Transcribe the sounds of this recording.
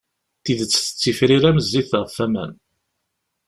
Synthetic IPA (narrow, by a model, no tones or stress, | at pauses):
θiðət͡sːθə̥t͡sːifɾiɾæməzːiθʁəfæmæ̰n